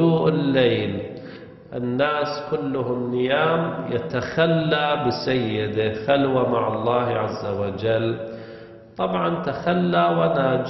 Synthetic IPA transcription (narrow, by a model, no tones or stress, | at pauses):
uːʔɪlːeːl | ʔɪnːaːskʊlːʊɦʊmnɪjaːmjɪt̪axalːaːbɪsajːɪd̪axalwamaʕɑlˤːɑːhʕazːawad͡ʒal | t̪ˤɑbʕɑnt̪axalːawanad͡ʒ